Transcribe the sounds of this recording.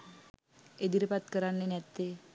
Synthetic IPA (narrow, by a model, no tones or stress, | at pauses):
ed̪iɾəpat̪kəɾanːenɛt̪ːe